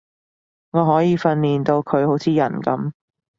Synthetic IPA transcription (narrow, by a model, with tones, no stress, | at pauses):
ŋɔː˨˧ɦɔː˨˥jiː˨˧fɐ˧nliː˨nt̪o˧wkʰɵ˨˧ɥho˨˥wt͡sʰiː˨˧jɐ̰˨˩nkɐ˨˥m